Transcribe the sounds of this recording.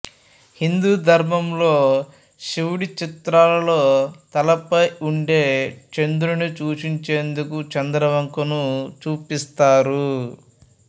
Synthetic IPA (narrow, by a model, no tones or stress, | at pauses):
hind̪uːd̪ʱɐɾmɐmlo̞ː | ʃiwuɽit͡ʃit̪ɾaːlɐlo̞ːt̪ɐlɐpɐjuɳɖe̞ːt͡ʃend̪uɾunit͡ʃuːt͡ʃiɲt͡ʃe̞ːnd̪ukut͡ʃɐnd̪ɾɐʋɐŋkunut͡ʃuːpist̪aːɾu